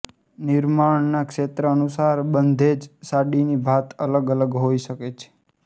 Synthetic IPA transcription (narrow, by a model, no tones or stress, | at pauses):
nɪɾmaɳnakʃet̪ɾəːnusaɾbənd̪ʱed͡ʒsaɽinibʱat̪ələɡələɡɦoiʃəket͡ʃʰe̥